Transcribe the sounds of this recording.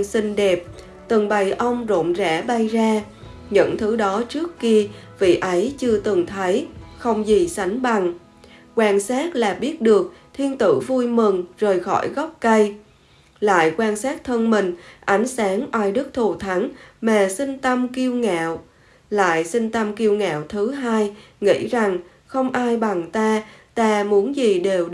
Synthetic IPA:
si˧ŋ̟ɗe˨˩p̚ | t̪ɨ˨˩ŋɓa˨˩jʔə˧wŋ͡mzo̰˧˨nzɛ̰˧˥ɓa˧jzaː˧ | ɲɨ̰˧˥ŋt̪ʰɨ˨˦ɗɔ˨˦t͡ɕɨ˦˥əkːi˧ | vḭ˧˨ʔə˨˦jt͡ɕɨ˧ət̪ɨ˨˩ŋt̪ʰə˨˦jxə˧wŋ͡mzi˨˩sa˨˦jŋ̟ɓa˨˩ŋ | kwaː˧˩nsaː˦˥t̚laː˨˩ɓi˦˥ət̚ɗɨ˨˩ək̚t̪ʰi˧ənt̪ɨ̰˧˩vu˧jmɨ˨˩ŋzəː˨˩jxɔ̰˧˩jɣɔ˦˥p̚kə˧j | la̰ː˧˨jkwaː˧nsaː˦˥t̚t̪ʰə˧nmï˨˩ŋ̟ʔa˨˦jŋ̟saː˨˦ŋʔaː˧jɗɨ˦˥k̚t̪ʰu˨˩t̪ʰa˨˦ŋmaː˨˩sï˧ŋ̟t̪ə˧mki˧əwŋa̰ː˧˨w | la̰ː˧˨jsï˧ŋ̟t̪ə˧mki˧əwŋa̰ː˧˨wt̪ʰɨ˨˦ɦaː˧jŋḭ˧˥za˨˩ŋ | xə˧wŋ͡mʔaː˧jɓa˨˩ŋt̪aː˧t̪aː˧mu˨˦ənzi˨˩ɗe˨˩w

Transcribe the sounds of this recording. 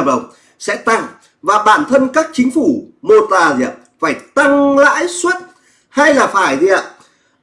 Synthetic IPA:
p̚ɗə̰˨˩wŋ͡m̚ | sɛ̰˧˥t̪a˧ŋ | vaː˨˩ɓaː˧˩nt̪ʰə˧nkaː˦˥k̚t͡ɕï˨˦ŋ̟fu˧˩mo˧t̪aː˨˩zḭ˧˩˨əp̚faː˧˩jt̪a˧ŋla̰ː˧˥jswə˦˥t̚ | ha˧jlaː˨˩faː˧˩jzḭ˧˨əm

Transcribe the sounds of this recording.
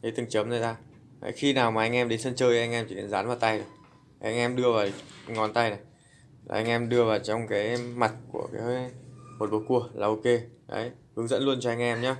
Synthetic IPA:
ɗə˨˦jt̪ɨ˨˩ŋt͡ɕə˨˦mnaː˨˩t̪aː˧ | a̰˨˦jxi˧naː˨˩wmaː˨˩ʔa˧jŋ̟ʔɛ˧mɗe˨˦nsə˧nt͡ɕəː˧jʔa˧ŋʔɛ˧mtʰi˧˩e˨˦nzaː˨˦nvaː˨˩wt̪a˧jɗɨ˨˩ | ʔa˧jŋʔɛ˧mɗɨ˧əvaː˨˩˨ŋɔ˨˩nt̪a˧jna˨˩j | a̰˨˩ʔa˧jŋ̟ʔɛ˧mɗɨ˧əvaː˨˩wt͡ɕɔ˧wŋ͡mkaː˨˦jma˨˩t̚kṵ˧˩əkaː˨˦˧mo˨˩t̚ɓo˨˦ku˧˩əlaː˨˧˩ʔo˧ke˧ɗə̰˨˦jhɨ˨˦ŋzə̰˧˥nlu˧ənt͡ɕɔ˧ʔa˧jŋ̟ʔɛ˧mɲaː˨˧

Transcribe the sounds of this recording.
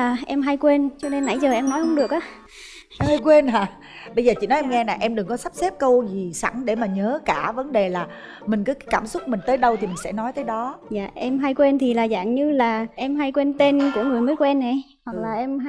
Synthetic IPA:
aː˨˩ʔɛ˧mɦa˧jkwe˧nt͡ɕɔ˧ne˧nːa̰˧˩jzəː˨˩ʔɛ˧mnɔ˨˦jhə˧ŋ͡mɗɨ˨˩ək̚ʔaː˨˦ | ha˧jkwe˧nhaː˨˩ | ɓə˧jzəː˨˩t͡ɕḭ˧˨nɔ˨˦ʔɛ˧mŋɛ˧naː˨˩ʔɛ˧mɗɨ˨˩ŋkɔ˨˦sa˦˥p̚sɛ˦˥p̚kə˧wzi˨˩sa̰˧˩ŋɗe˧˩maː˨˩ɲəː˨˦kaː˧˩və˨˦nɗe˨˩laː˨˩ | mï˨˩ŋ̟kɨː˨˦kːkaː˧˩msʊ˦˥k͡p̚mï˨˩ŋ̟t̪əː˨˦jɗə˧wt̪ʰi˨˩mï˨˩ŋ̟sɛ̰˧˥nɔ˨˦jt̪əː˨˦jɗɔ˨˦za̰ː˧˨ʔɛ˧mɦa˧jkwe˧nt̪ʰi˨˩laː˨˩za̰ː˧˨ŋɲɨ˧laː˨˩ʔɛ˧mɦa˧jkwe˧nt̪e˧nku˧˩əŋɨ˨˩əjmɨ˨˦˥jkwɛ˧mna˨˩j | hwa˨˩k̚laː˨˩ʔɛ˧m˧

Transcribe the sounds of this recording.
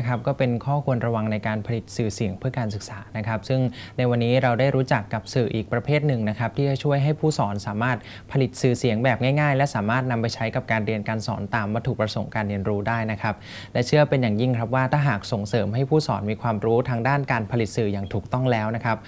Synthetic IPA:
kʰɾa˦˥p̚kɔː˥˩pe˧nkʰɔː˥˩kʰu˧ənɾa˧wa˧ŋna˧jkaː˧npʰa˧li˨˩t̪̚sɯː˨˩si˨˩˦ŋpʰɯ˥˩ɐkaː˧nsɯ˨˩k̚saː˩˦na˦˥kʰɾa˦˥p̚sɯ˥˩ŋna˧jwa˧nːiː˦˥ɾa˧wdaː˥˩jɾuː˦˥t͡ɕa˨˩kːa˨˩p̚sɯː˨˩ʔiː˨˩k̚pɾa˧pʰeː˥˩t̪̚nɯ˨˩ŋna˦˥kʰɾa˦˥p̚t̪ʰiː˥˩t͡ɕa˨˩t͡ɕʰu˥˩əjɦa˥˩jpʰuː˥˩sɔː˩˦nsaː˩˦maː˥˩t̪̚ | pʰa˧li˨˩t̪̚sɯː˨˩si˨˩˦əŋbɛː˨˩p̚ŋaː˥˩jŋaː˥˩jlɛ˦˥saː˩˦maː˥˩t̪̚na˧mpa˧jt͡ɕʰa˦˥jka˨˩p̚kaː˧nɾi˧ənkaː˧nsɔ̰ː˩˦nt̪aː˨˩mwa˧t̪ʰu˨˩kp̚ɾa˧so˨˩ŋkaː˧nɾi˧ənɾuː˦˥daː˥˩jna˦˥kʰa˦˥p̚ | lɛ˦˥t͡ɕʰɯ˥˩ɐpe˧njaː˨˩ŋji˥˩ŋkʰɾa˦˥p̬̚waː˥˩t̪ʰaː˥˩ɦaː˨˩k̚so˨˩ŋsɤː˩˦mɦa˥˩jpʰuː˥˩sɔː˩˦nmiː˧kʰwaː˧mɾuː˦˥t̪ʰaː˧˥ŋdaː˥˩nkaː˧npʰa˧li˨˩t̪̚sɯː˨˩jaː˨˩ŋt̪ʰuː˨˩k̚t̪ɔ˥˩ŋlɛː˦˥wna˦˥kʰɾa˦˥p̚

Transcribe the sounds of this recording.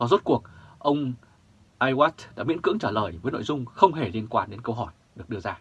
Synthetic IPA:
va˨˩zu˦˥t̚ku˨˩ək̚ʔə˧wŋ͡m | ʔaː˧jwaː˦˥t̚ɗa̰ː˧˥mḭ˧˥ənkɨ̰˧˥əŋt͡ɕaː˧˩ləː˨˩jvəː˨˦jno̰˧˨jzʊ˧ŋ͡mxə˧wŋ͡mɦe˨˩li˧ənkwaː˧nɗe˨˦nkə˧wɦɔ˧˩j | ɗɨ˨˩ək̚ɨ˧əzaː˧

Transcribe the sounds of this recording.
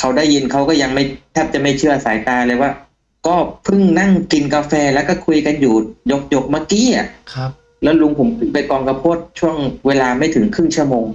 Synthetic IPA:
kʰa˦˥wdaː˥˩jːi˧nkʰa˦˥wkɔː˥˩ja˧ŋma˥˩jt̪ʰaː˥˩p̚t͡ɕa˨˩ma˥˩jt͡ɕʰɯ˥˩ɐsaː˩˦jt̪aː˧lɤː˧jwaː˥˩ | kɔː˥˩pʰɯ˥˩ŋna˥˩ŋki˧nkaː˧fɛː˧lɛ˦˥wkɔː˥˩kʰu˧jka˧njuː˨˩jo˦˥k̚jo˦˥˩k̚maː˧˥˩kiː˧˥˩ʔa˨˩kʰ | lɛː˦˥wlu˧ŋpʰo˩˦mpʰɯ˦˩pa˧jkɔː˧ŋka˧pʰo˥˩t̪̚t͡ɕʰu˥˩əŋweː˧laː˧ma˥˩jt̪ʰɯ˩˦ŋkʰɯ˥˩ŋt͡ɕʰu˥˩əmoː˧ŋ

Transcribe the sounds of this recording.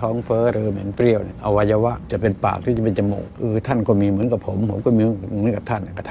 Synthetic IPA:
ɔː˦˥ŋfɤː˦˥ɾɯː˧mɛ˨˩˦npɾi˧˩əwna˧˩ʔa˧wa˧ja˧wa˦˥ʔt͡ɕa˨˩pe˧npa̰ː˨˩k̚t̪ʰiː˥˩t͡ɕa˨˩pe˧nt͡ɕa˧mo̰ː˨˩k̚ʔɯː˧t̪ʰa˥˩nkɔː˥˩miː˧mɯ˩˦ənka˨˩pʰo˨˩˦mpʰo˨˩˦mkɔː˥˩miː˧˩mɯ˧˦ənka˨˩p̚t̪ʰa˥˩nːa˧˨˩kʰa˧˩t̪ʰ

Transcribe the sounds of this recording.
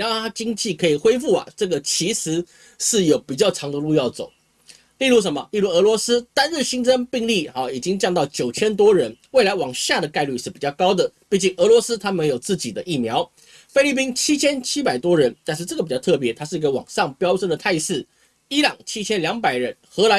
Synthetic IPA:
ɻnxo˥˩t̪ʰa˥˧t͡ɕi˥ŋt͡ɕi˥˩kʰɤ˧˥i˨˩xwe˥ɪfu˥˩ɐ̰˨˩ʈ͡ʂɤ˥˩ɡə˩t͡ɕʰi˧˥ʂɻ̩˧˥ | ʂɻ̩˥˩jo˨˩ʊpi˨˩t͡ɕjɑ˥˩ʊʈ͡ʂʰɑ˧˥ŋd̪ə˧lu˥˧jɑ˥˩ʊt͡so̰˨˩˦ʊ | li˥˧lu˥˩ʂ̬ə˧˦mə˧li˥˧lu˥˩ɤ˧˥lwɔ˧˥sɹ̩˥t̪a˥nɻ̩˥˩ɕi˥ŋt͡sə˥npi˥˧ŋli˥˩˨i˨˩t͡ɕi˦˥ŋt͡ɕjɑ˥˧ŋt̪ɑ˥˩ʊt͡ɕjo˨˩ʊt͡ɕʰjɛ˥nt̪wɔ˥ɻə˧˦˥nwe˥˩ɪla˧˥ɪwɑ˨˩ŋɕja˥˩d̪ə˩ka˥˧ɪly˥˧ʂɻ̩˥˩pi˨˩t͡ɕɑ˥˩ʊkɑ˥ʊd̪ə˨pi˥˩t͡ɕi˨˩ŋɤ˧˥lwɔ˧˥s̩˥t̪ʰa˥mə˧˥njo˨˩ʊt͡sɹ̩˥˩t͡ɕi˨˩d̪ə˦ʔi˥˩mjɑ˧˥ʊ | fe˥ɪli˥˩p̬i˥nt͡ɕʰi˥t͡ɕʰjɛ˥nt͡ɕʰi˥pa˨˩ɪt̪wɔ˥ɻə˧˥nt̪a˥˧nʂ̬ɻ̩˥˧ʈ͡ʂɤ˥˩əpt͡ɕɑ˥˧t̪ʰɤ˥˩pjɛ˧˥t̪ʰa˥ʂɻ̩˥˩i˧˥ɡə˧wɑ̰˨˩ŋʂɑ˥˨˩ŋpjɑ˥ʊʂə˥nd̪ə˨t̪ʰa˥˧ɪʂɻ̩˥˩ | i˥lɑ˨˩ŋt͡ɕʰi˥t͡ɕʰjɛ˥nljɑ˧˥ŋpa˨˩ɪɻə˧˦˥nxɤ˧˥la˧˥

